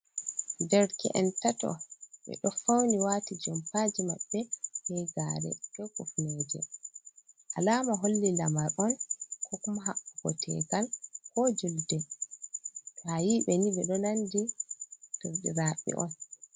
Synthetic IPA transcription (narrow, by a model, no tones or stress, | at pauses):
ndɛɾkɛ̰ʔɛ̰ntatɔ̰ɓɛ̰ɗɔfawniwaːtid͡ʒɔmpaːd͡ʒima̰ɓːɛhɛɡa̰ːɾɛ̰kɛkufnɛːd͡ʒɛ̰ | ʔalaːmaɦolːilamaɾɔnkɔkumɦaɓːuɡɔtʰɛ̰kalkɔd͡ʒuldɛ | tajiɓɛnibɛɗɔnanditoɾɗiɾaːɓːḭʔɔ̰n